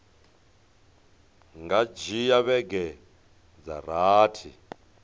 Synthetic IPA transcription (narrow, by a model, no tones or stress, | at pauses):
ŋɡad͡ʒijaβɛɡɛ | d͡za̰raːtʰḭ